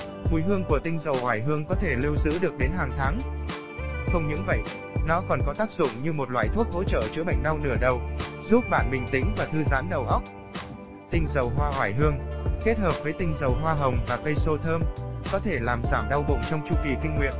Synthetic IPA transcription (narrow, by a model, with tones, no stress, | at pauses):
mu˨˩jɦɨ˧əŋku˧˩ət̪ï˧ŋ̟zə˨˩whwaː˧˩jɦɨ˧əŋkɔ˨˦t̪ʰe˧˩li˧əwzɨ̰˧˥ɗɨ˨˩ək̚ɗe˨˦nɦaː˨˩ŋt̪ʰaː˨˦ŋ | xə˧wŋ͡mɲɨ̰˧˥ŋvə̰˧˨j | nɔ˨˦kɔ˨˩nkɔ˨˦t̪aː˦˥k̚zʊ̰˧˨ŋ͡mɲɨ˧mo˨˩t̚lwa̰ː˧˨jt̪ʰu˦˥ət̚ho̰˧˥t͡ɕə̰ː˧˨t͡ɕɨ̰˧˥əɓə̰˧˨jŋ̟ɗa˧wnɨ˧˩əɗə˨˩wzu˦˥p̚ɓa̰ː˧˨nɓï˨˩ŋ̟t̪ï˨˦ŋ̟vaː˨˩t̪ʰɨ˧zaː˨˦nɗə˨˩wʔə˦˥wk͡p̚ | t̪ï˧ŋ̟zə˨˩wɦwaː˧ɦwaː˧˩jɦɨ˧əŋke˦˥t̚həː˨˩p̚vəː˨˦jt̪ï˧ŋ̟zə˨˩wɦwaː˧ɦə˨˩wŋ͡mvaː˨˩kə˧jso˧t̪ʰəː˧mkɔ˨˦t̪ʰe˧˩laː˨˩mzaː˧˩mɗa˧wɓo̰˧˨ŋ͡mt͡ɕɔ˧wŋ͡mt͡ɕu˧ki˨˩kï˧ŋ̟ŋwḭ˧˨ən